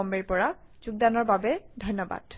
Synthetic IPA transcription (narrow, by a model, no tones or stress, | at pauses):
ɔmbeɹpɔɹa | z̥uɡ̚danɔɹbabɛdʱɔjnːɔba̰d̥